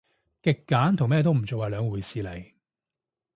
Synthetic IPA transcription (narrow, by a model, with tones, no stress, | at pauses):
kɪ˨kːaː˨˥nt̪ʰʊ˨˩ŋmɛː˥˧t̪̬o˥wm̩˨˩t͡so˨waː˨˧lœː˨˧ŋwuː˨˩jsiː˨˧le˨˩j